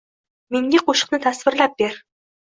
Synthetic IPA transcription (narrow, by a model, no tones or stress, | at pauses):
meŋd̪ʲeqʰoʃə̥̆qnɨt̪ʰæsvɪ̆ɾlæp̚b̥eɾ